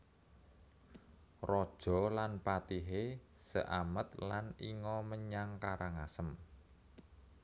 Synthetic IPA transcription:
rɔd̥ʒ̥ɔ̤lanpat̪iɦesə̰ʔamət̪laniŋɔməɲaŋkaɾaŋasəm

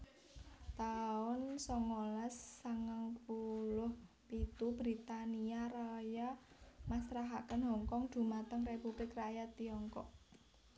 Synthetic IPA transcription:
t̪aʊnsɔŋɔlasːaŋaŋpulʊh | pit̪ub̥ɾit̪aniaɾaja | masɾaɦakənɦɔ̤ŋkɔŋd̪̥ṳmat̪əŋrepub̥lɪkrajat̪iɔŋkɔk̚

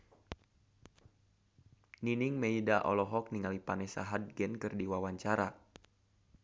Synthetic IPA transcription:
niniŋmeidaʔɔ̰lɔɦɔk̚niŋalipanɛsa̰ɦad̚ɡɛnkɨrdiwawaɲt͡ʃaɾa

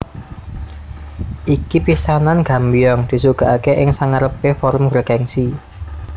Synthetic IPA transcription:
ʔikipisananɡ̥a̤mbijɔŋd̪̥i̤suɡ̥a̤ʔakeʔɪŋsaŋaɾəpefɔɾʊmɡɾekɛŋsi

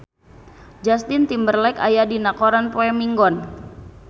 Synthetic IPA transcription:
d͡ʒast̪ɪnt̪imbərlɛkajadinakɔɾanpoɛmiŋɡɔn

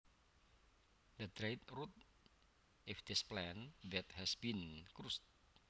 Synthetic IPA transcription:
d̪əd̪ɾajt̪rut̪̚ | ɪfd̪ɪsplɛ̃ndɛt̪hɛsbinkɾust̚

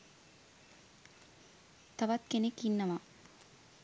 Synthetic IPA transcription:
t̪ɐʋɐt̪kenekinːɐʋa

